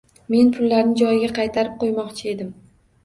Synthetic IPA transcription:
me̞npʰʊlːaɾnɪd͡ʒɒjɪɡʲaqʰɑjt̪ʰaɾɪp̚qʰojmɒqt͡ʃʰɪe̞d̪ɪm

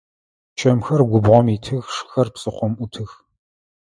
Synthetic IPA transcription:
t͡ʃʰʼɐmxɐrɡʷʊbʁɔmitʰɨxʂɨ̥xɐrpsʼɨqʷɔmʔʊtʰɨx

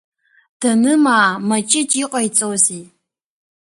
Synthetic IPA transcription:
d̥ɐnɨmaːmɐt͡ʃʼɪt͡ʃʼiqʼajt͡sʼozi

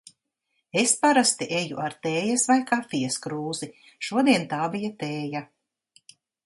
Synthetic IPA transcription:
espaɾast̪iʔejuʔaɾt̪eːjasvajkaːfiɛskɾuːzi | ʃuɔd̪iɛnt̪aːbijat̪eːja

